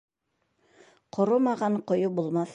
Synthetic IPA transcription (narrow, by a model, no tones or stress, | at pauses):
qʰŏɾomɑʁɑɴqŏjobulˠmɑθ